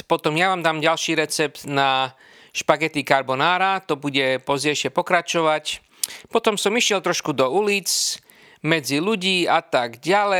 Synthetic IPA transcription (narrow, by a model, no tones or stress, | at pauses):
pɔt̪ɔmjaʋaːmd̪aːmɟalʃiːɾɛt͡sɛpt̪na | ʃpaɡɛt̪ikaɾbɔnaːɾat̪ɔbuɟɛpɔzɟɛʃɪɛpɔkɾat͡ʃɔʋac | pɔt̪ɔmsɔmiʃɪɛlt̪ɾɔʃkud̪ɔuliːt͡s | mɛd͡ziluɟiːat̪aɡɟalɛ